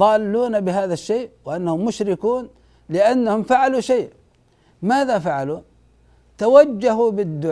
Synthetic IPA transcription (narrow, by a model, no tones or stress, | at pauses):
ɑːlːuːnabɪɦaːðaʃːeːʔwɪʔanːahʊmːʊʃɾɪkuːn | lɪʔanːahʊmfaʕaluʃeːʔ | maːðafaʕalu | t̪awad͡ʒːaɦubɪd̪ːʊ